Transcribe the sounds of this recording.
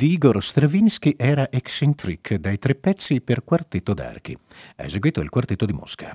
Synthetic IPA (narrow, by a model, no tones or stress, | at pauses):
d̪iiːɡorst̪ɾevinsk̟iʔɛːɾaʔeksint̪ɾikʰd̪ajt̪ɾepːɛt̪sːiperkwart̪et̪ːod̪a̰rkḭ | a̰ḛzeɡwiːt̪oḭlkwart̪et̪ːod̪imo̰ska